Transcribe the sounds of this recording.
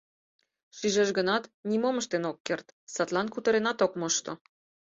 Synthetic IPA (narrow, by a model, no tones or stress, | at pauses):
ʃiʒeʒɡənɑt̪nimoməʃt̪enokːert̪sɑt̪lɑnkut̪ə̆ɾenɑt̪okmoʃt̪o̰